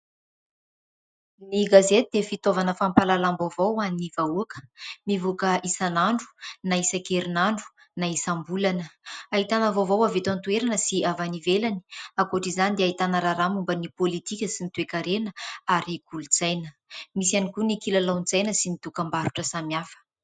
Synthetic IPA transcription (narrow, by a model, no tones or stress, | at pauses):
niɡazet̪ud̪efit̪ovanəfampalalambavowaninivauakə̥mivukəʔisanaɳɖ͡ʐu̥naisakeɾinaɳɖ͡ʐu̥ | naisambulanəaɦit̪anəvovawavet̪ant̪ueɾanəsiavanivelani̥akoʈ͡ʂizanid̪eait̪anəɾaɾamumbənipolit̪ikʲəsinit̪uekaɾenəaɾikulud͡zajnə | misianikunikilalawnd͡zajnəsinit̪ukambaɾuʈ͡ʂəsamiafə̥